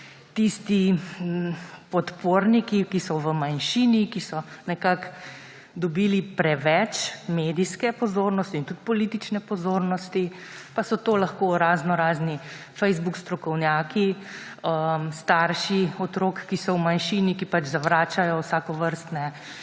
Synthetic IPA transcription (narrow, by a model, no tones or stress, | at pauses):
t̪ist̪i | pɔt̪poːɾnikikisɔʋəmanʃinikisɔnɛkak | d̪ɔbiːlipɾɛʋɛt͡ʃmeːd̪iskɛpɔzoːɾnɔst̪iːnt̪ut̪pɔliːt̪it͡ʃnɛpɔzoːɾnɔst̪ipasɔt̪oːlaxkoɾaːznɔɾaːzni | fɛjzbukst̪ɾɔkɔwnjaːkiəmst̪aɾʃiɔt̪ɾoːkːisɔwmanʃiːnikipat͡ʃzaʋɾaːt͡ʃajɔwsaːkɔʋəɾst̪nɛ